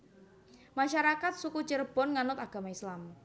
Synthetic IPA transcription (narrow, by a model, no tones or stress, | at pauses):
maʃaɾakat̪̚sukut͡ʃərb̥ɔ̤nŋanʊt̪aɡ̥a̤maislam